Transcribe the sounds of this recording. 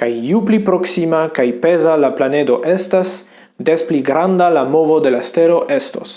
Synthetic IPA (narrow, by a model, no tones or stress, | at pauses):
kajjuplipɾo̞ksimakajpe̞zalaplane̞do̞ʔe̞stas | despliɡɾandalamo̞vo̞de̞laste̞lo̞ʔe̞sto̰s